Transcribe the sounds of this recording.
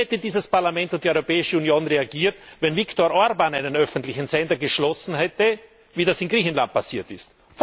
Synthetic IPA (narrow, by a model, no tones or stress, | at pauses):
ɛtədiːzəspaɐlamɛ̃ntʊnt̚d̥iɔʏʁopɛːɪʃəunjoːnʁeaɡiːɐtvɛnviktoɐʁʔɔɐɾbanaɪnənœfntlɪçn̩zɛndɐɡəʃlɔsn̩hɛtə | viːdasɪnɡʁiːçn̩la̰nt̚pʰasiːɐtɪst | f